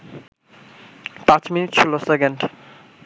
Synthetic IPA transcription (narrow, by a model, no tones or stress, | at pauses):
pãt͡ʃminiʈt͡ɕʰilosekeɳɖ